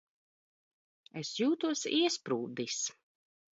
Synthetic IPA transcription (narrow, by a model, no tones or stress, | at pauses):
ɛsjuːt̪uɔsiɛspɾuːd̪is